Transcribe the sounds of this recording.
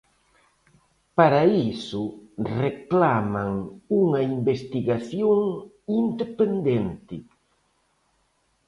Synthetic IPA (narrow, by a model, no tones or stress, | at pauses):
paɾaisʊreklamaŋuŋɐimbest̪iɣaθjoŋ | ind̪epend̪ent̪ɪ